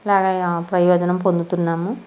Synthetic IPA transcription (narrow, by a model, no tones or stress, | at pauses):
laːɡapɾɐjɔːd͡ʒɐnɐmpond̪ut̪unːaːmu